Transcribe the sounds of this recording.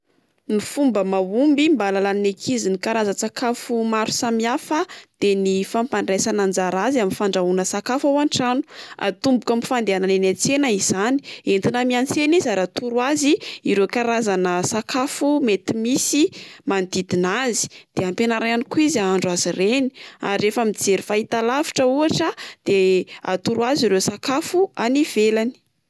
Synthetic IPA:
mifumbəmaumbimbalalannekʰizinikaɾazat͡sakʰafumaɾu̥samiafəd̪̥enifampanresanand͡zaɾaziaminfaɳɖ͡ʐaunəsakafawaɳʈ͡ʂanu̥a̰t̪umbukəmifand̪eananenet͡senəiz̥ani̥ent̪inəmiant͡senizaɾat̪uɾwaziiɾekaɾazanəsakʰafumet̪imisimand̪id̪inazi̥d̪̥eampenaɾaanikuizaaɳɖ͡ʐuazireni̥a̰ɾiɾefəmid͡zeɾifait̪alafi̥ʈ͡ʂəuaʈ͡ʂəd̪̥ea̰t̪uɾwaziɾewsakafuaniv̥elani̥

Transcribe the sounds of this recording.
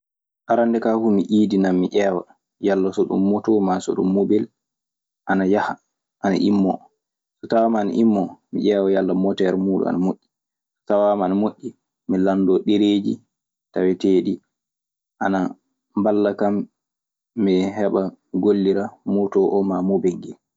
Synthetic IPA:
ʔaɾandɛkahumiʔiːdinamːiʔɛːwa | jalːasɔɗṵmːɔtɔmasɔ̰ɗṵmːobɛl | ʔanajaha | ʔana̰ʔimːɔ̰ | sɔtawamanʔimːɔmḭʔɛːwajalːamɔtɛɾmuːɗṵa̰namoʔʲːi | stawamanmoʔʲːi | milandɔɗeɾeːd͡ʒḭ | tawɛteːɗi | ʔana | mbalːakamː | iɦɛɓaɡolːiɾamotɔʔɔmamobɛŋɡɛl

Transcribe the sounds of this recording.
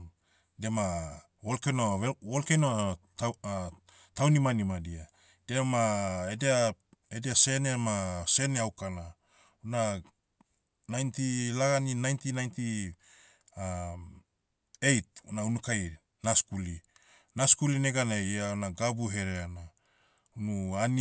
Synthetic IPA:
dema | olkenoolkeno | tawnimanimadia | d̥emaedea | edease̞nemase̞neawkana | una | najntilaɡaninajntinajnti | a | ejt̚unaunukaj | naskuli | naskulineɡanaaonaɡabuɦe̞ɾeana | unuan

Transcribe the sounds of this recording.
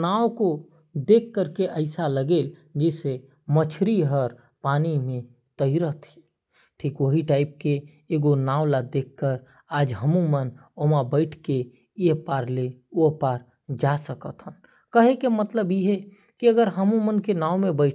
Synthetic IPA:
naːoko | d̪eːkːəɾkeʔəɪsaləɡeːl | d͡ʒɛːse | mət͡ʃʰɾiɦəɾ | paːnimẽ | t̪əiɾət̪ʰi̥ | ʈʰiːkʋəɦiʈaːɪp̚keː | ɡonaːʊlad̪eːkːəɾ | aːd͡ʒɦəmũmən | omãbəɪʈʰke | jepaːɾleopaːɾ | d͡ʒasəkət̪ɦən | kəɦekemət̪ləbiɦɛ | kiəɡəɾɦəmũmənkenaːomẽbəɪʈ

